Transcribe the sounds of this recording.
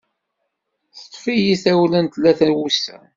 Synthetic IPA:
θt̪ˤːfijiθæwlənt̪lːæθæwusæ̰

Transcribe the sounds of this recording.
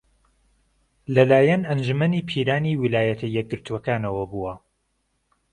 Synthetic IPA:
lɐlaːjɐnɐnd͡ʒumɐniːpʰiːɾaːniːwilaːjɐt̪ʰɐjːɛk̚ɡɨɾt̪ʰuwɐkaːnɐwɐbuɐ

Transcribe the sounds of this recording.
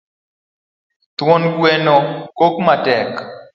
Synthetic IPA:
t̪wonɡwɛnɔkokmatɛk

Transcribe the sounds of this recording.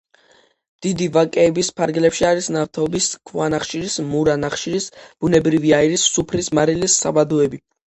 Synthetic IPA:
d̪̥id̪ivakʼɛːbispʰaɾɡlɛpʃiaɾisnaft̪ʰɔbiskʰvwanaχʃiɾismuɾanaχʃiɾisb̥unɛbɾiviaiɾisːupʰɾismaɾilisːa̰bad̪ɔɛbi

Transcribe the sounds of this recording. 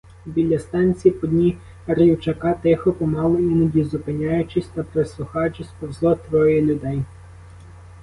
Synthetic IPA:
bʲilʲːɐst̪ɑnʲt͡sʲiipɔdʲnʲi | ɾiwt͡ʃɐkɑt̪ɪxɔpɔmɑlˠɔinɐdʲizʊpɪnʲɑjʊt͡ʃɪsʲt̪ɐpɾeslˠʊxɑjʊt͡ʃɪsʲpɔwzlˠɔt̪ʋɔjɛlʲʊd̪ɛj

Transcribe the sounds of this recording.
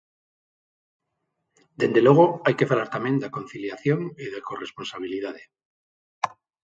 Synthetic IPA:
d̪e̞nd̪e̞lo̞ɣ̞oajke̞falaɾt̪amjẽ̞nd̪ako̞nθiljaθjo̞ŋiðekore̞spo̞nsaβ̞ilið̞aðe

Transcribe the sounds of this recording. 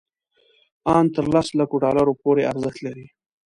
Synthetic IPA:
ɑnt̪əɾlaslakoɖɑlaɾopoɾeaɾzəxt̪laɾi

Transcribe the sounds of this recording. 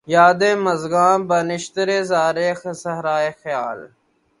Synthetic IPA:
jaːd̪ẽːməzɡãːbɐnɪʃt̪ɾeːzaːɾeːxsɐɦɾaːeːxjaːl

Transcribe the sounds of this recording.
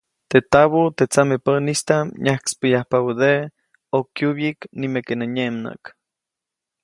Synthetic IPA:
t̪et̪aβot̪et͡samepənist̪aɲahki̥spəjahpaud̪e | okjuβjiknimekenaɲemna̰k

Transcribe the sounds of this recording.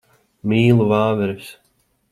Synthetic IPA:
miːlˠuvaːvɛɾs

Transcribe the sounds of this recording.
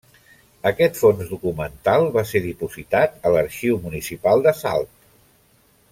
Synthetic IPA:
əkɛt̪fonzðukumənt̪alˠβaseɾðipuzit̪at̪ələɾʃiwmunisipalˠd̪əsa̰lˠt̪

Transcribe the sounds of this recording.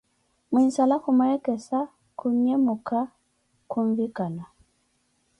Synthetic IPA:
minsalaxumɛɾɛkɛsa | kuɲɛmuka | kuɱvikana

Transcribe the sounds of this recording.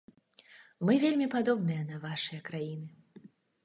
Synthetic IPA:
mɨvʲelʲmʲipad̪ɔbnɨjɐnɐvaʂɨjɐkɾajinɨ

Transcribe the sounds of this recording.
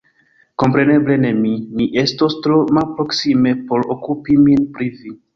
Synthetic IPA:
ko̞mpɾe̞ne̞ble̞ne̞mimiʔe̞sto̞stɾomalpɾo̞ksime̞po̞ɾokupiminpɾivi

